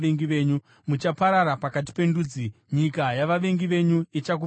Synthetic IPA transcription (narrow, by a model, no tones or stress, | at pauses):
eŋɡiʋe̞ːɲu | mut͡ʃapaɾaɾapakat̬i̥pe̞nduːd͡zi | ɲikajaʋaʋe̞ŋɡiʋe̞ɲuit͡ʃak̬u